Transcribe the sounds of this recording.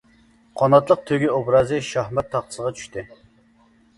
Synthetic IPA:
qʰɑnɑt̪lˠəq̚t̪ʰøɡʲiobɾɑzɨʃɑhmɛt̪ʰːɑχt̪ʰə̥səʁɑt͡ʃʰy̥ʃt̪ɪ

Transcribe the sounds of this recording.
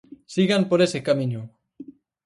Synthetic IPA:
siɣampoɾesekamĩɲu

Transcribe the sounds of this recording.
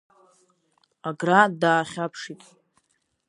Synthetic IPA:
aɡradaːχʲapʰʂitʼ

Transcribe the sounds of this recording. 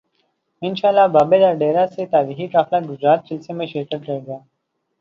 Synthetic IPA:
ɪnʃaːlːabaːbelɐɾɖeːɾaset̪aːɾiːxiʈɾaːflaːɡʊd͡ʒɾaːt̪̚t͡ʃɪlsemẽʃeːʈəɖɾeɡaː

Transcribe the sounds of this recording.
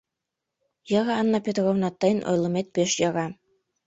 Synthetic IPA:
jɑɣɑːnːɑpʲet̪rovnɑt̪ːɑjnʔo̰jlˠɤ̆met̪̚peʃjɑɣɑ

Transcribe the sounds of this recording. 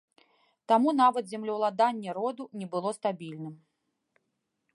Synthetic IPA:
t̪amunavɐt̪zʲɛmlʲɐwlˠad̪anʲːɛɾɔd̪unʲɛbɨlˠɔst̪abʲilʲnɨm

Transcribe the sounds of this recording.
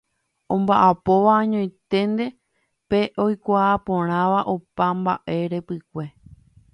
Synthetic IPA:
õ̞mbaʔapo̞ʋaɲõj̃t̪e̞nd̪e̞ | pe̞ʔo̞jkʷaːpõ̞ɾ̃ãʋaʔopambaʔe̞ɾe̞pɨkʷe̞

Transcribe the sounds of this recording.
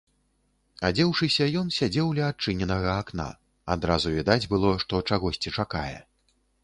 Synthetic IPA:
ad͡zʲɛwʂɨsʲɐjɔnsʲad͡zʲɛwlʲɛat͡ʂɨnʲɛnɐɣɐːkna̰ | a̰d̪ɾazuvʲid̪ad͡zʲbɨlˠɔʂt̪ɔt͡ʂaɣɔsʲt͡sʲit͡ʂakajɛ̰

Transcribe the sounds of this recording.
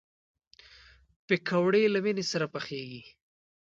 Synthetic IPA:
pɪkʰawɽelaminesaɾapaxeɡi

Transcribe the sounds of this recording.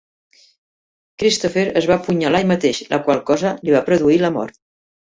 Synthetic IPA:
kɾist̪ofəɾəzβapuɲalaɲmət̪eʃlʔə̰kwalˠkɔzəliβapɾəðuiləmɔ̰ɾt̪̚

